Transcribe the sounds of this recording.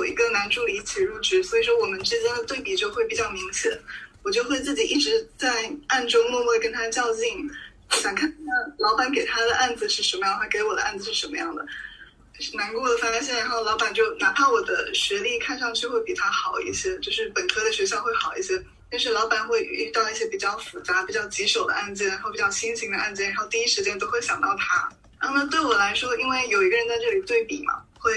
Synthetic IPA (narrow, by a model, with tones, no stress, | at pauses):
jjo˨˩ḭ˧˥ɡə˧na˧˥nʈ͡ʂu˥˧li˧˥t͡ɕʰi˨˩ɻu˥˩ʈ͡ʂɻ̩˥swɔ˧˥i˨˩ʂwɔ˥wɔ˨˩mə˦nʈ͡ʂɻ̩˥t͡ɕjɛ˥nd̪ə˨t̪we˥˩ɪpi˨˩t͡ɕjo˥˧ʊxwe˥˩ɪpi˨˩t͡ɕjɑ˥˩ʊmi˧˥ŋɕjɛ̰˨˩˦nwɔ˨˩t͡ɕjo˥˧ʊxwe˥˧ɪt͡sɹ̩˥˩t͡ɕi˨˩ʔi˥˩ʈ͡ʂɻ̩˧˥t͡sa˥˧ɪa˥˩nʈ͡ʂʊ˥ŋmwɔ˥˧mɔ˥˩kə˥nt̪ʰa˥t͡ɕjɑ˥˧ʊt͡ɕi˥˩ŋ˥˩ | ɕjɑ˨˩ŋkʰa˥˧n˥a˥˩lɑ˧˥ʊpa˨˩˥nk̬e˨˩ɪt̪ʰa˥d̪ə˨ʔa˥˩nd͡zɹ̩˨˩ʂɻ̩˥˩ʂə˧˥nmə˧jɑ˥˩a˥ɪke˧˥ɪwɔ˨˩ə˦ʔa˥˩nd͡z̩˨˩ʂɻ̩˥˩ʂə˧˥nmə˦jɑ˥˩ŋd̪ə˩˥˩ | na˧˥nkwɔ˥˩d̪ə˩fa˥ɕ̬jɛ˥˩nɻa˧˥nxo˥˩ʊlɑ˧˥ʊpa˨˩nt͡ɕjo˥˩ʊna˧˥pʰa˥˩wɔ˨˩d̪ə̰˦ɕɥɛ˧˥li˥˧kʰa˥˧nʂɑ˥˧ŋt͡ɕʰy˥˧xwe˥˩ɪpi˨˩t̪ʰa˥xɑ˨˩ʊḭ˥˩ɕjɛ˥t͡ɕjo˥˧ʊʂɻ̩˥˩pə˨˩nkʰɤ˥d̪ə˨˩ɕɥɛ˧˥ɕjɑ˥˧xwe˥˩ɪxɑ˨˩ʊḭ˥˩ɕjɛ˥ | t̪ʂ̬ɻ̩˥˩lɑ˧˥ʊpa˨˩nxwe˥˧ɪy˥˧t̪ɑ˥˧ʊi˥˩ɕjɛ˥pi˨˩t͡ɕjɑ˥˩ʊfu˧˥t͡sa˧˥pi˨˩t͡ɕjɑ˥˩ʊt͡ɕi˧˥ʂo˨˩ʊd̪ə̰˦ʔa˥˧nt͡ɕɛ˥˩ɻa˧˥xo˥˩pi˨˩t͡ɕjɑ˥˧ʊt͡ɕʰi˥nɕʰi˧˥ŋd̪ə˧ʔa˥˧nt͡ɕjɛ˥˩nɻa˧˥xo˥˧ʊt̪i˧i˥ʂɻ̩˧˥t͡ɕjɛ˥nt̪o˥ʊxe˥˩ɪɕjɑ˨˩ŋt̪ɑ˥˩ʊt̪ʰa̰˥ | n˥ə˥˩mə˧t̪we˥˩ɪwɔ˨˩la˧˥ɪʂwɔ˥i˥nwe˥˩ɪjo˨˩ʊi˧˥ɡə˧ɻə˧˥nt͡sa˥˧ɪʈ͡ʂɤ˥˩li˨˩t̪we˥˩ɪpi˨˩mɐ̰˦xwe˥˩ɪ